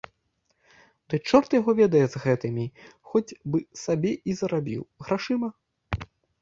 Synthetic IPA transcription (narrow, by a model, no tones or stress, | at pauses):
d̪ɨt͡ʂɔrt̪jaɣɔvʲɛd̪ɐjɛzɣɛt̪ɨmʲixɔt͡sʲbɨsabʲɛʔizɐɾabʲḭwɣɾaʂɨmɐ